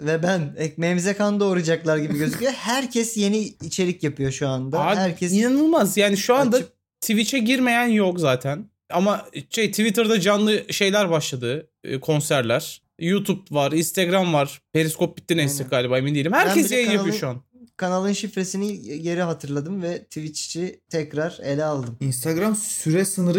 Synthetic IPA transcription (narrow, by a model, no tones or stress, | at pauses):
vɛbænɛmɛmzekʰand̪aoɾad͡ʒaklˠaɾɟibiɟøzycʲijohæɾcʰɛsje̞niːt͡ʃʰe̞ɾicjapʰɯjo̞ʃuand̪aahæɾcʰɛsinanɯlˠmazjaːniʃuand̪a | t̪ʰivit͡ʃʰɛɟiɾme̞jænjo̞kzaːt̪ʰæn | amaʃejt̪ʰivit̪ʰɯɾd̪ad͡ʒanlˠɯʃe̞jlʲæɾbaʃlˠad̪ɯ̰ː | kʰo̞nsæɾlʲæɾ̥ | jut̪ʰup̚vaɾinst̪ʰeɡɾamvaɾ̥pelʲiskʰo̞p̚bi̥t̪ːinɛst̪ɛɡaːlʲibaːemind̪ijelʲimhæɾʰʲɛsjejnjapyjo̞ʃuan | kʰanalˠɯnʃifɾesiniɟe̞ɾiɦat̪ʰɯɾlˠad̪ɯmvɛt̪ʰivit͡ʃt͡ʃit̪ʰɛcɾaɾelʲɛalˠd̪ɯminst̪ʰaɡɾamsyɾɛsɯnɯɾɯ